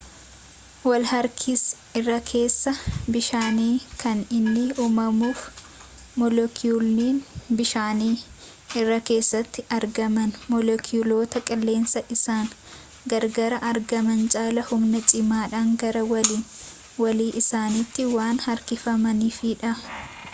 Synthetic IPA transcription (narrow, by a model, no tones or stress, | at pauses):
wɐlhɐɾkʰɪs | ɪrːɐkʰe̞ːsːɐbɪʃaːniːkɐnɪnːɪuːmɐmuːf | mɔlɔkʰulniːnbɪʃaːniː | ɪrːɐke̞ːsːɐt̪ːɪʔɐɾɡɐmɐnmɔlɔkʰɪʊlo̞ːt̪ɐkʼɪlːe̞ːnsɐʔɪsaːŋ | ɡɐɾɡɐɾɐʔɐɾɡɐmɐnt͡ʃʼaːlɐhʊmnɐt͡ʃʼɪmaːᶑaːŋɡɐɾɐwɐliːn | wɐliːʔɪsaːnit̪ːɪwaːnhɐɾkɪfɐmɐniːfiᶑɐ